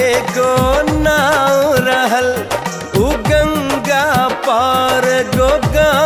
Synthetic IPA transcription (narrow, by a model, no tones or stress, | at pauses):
eɡonawɾɐɦɐl | uɡɐŋɡapaːɾɡoɡa